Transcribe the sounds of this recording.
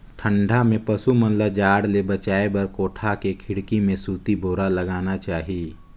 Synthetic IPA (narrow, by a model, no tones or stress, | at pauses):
ʈʰə̃ɳɖʱamẽpɐsumənlad͡ʒaːɽlebət͡ʃaːebɐɾkoːʈʰakekʰɪɽkimẽsuːt̪ibʱoːɾaləɡaːnat͡ʃaːɦii